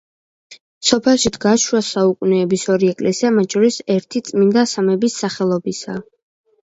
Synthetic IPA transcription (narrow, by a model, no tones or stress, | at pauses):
sɔpʰɛlˠʃid̪ʰɡaʃwasaukʼunɛːbisɔɾiɛkʼlɛsiamat̪̚ʰt͡ʃʰɔɾisɛɾt̪ʰit̪sʼmind̪asamɛbisːaχɛlˠɔbisa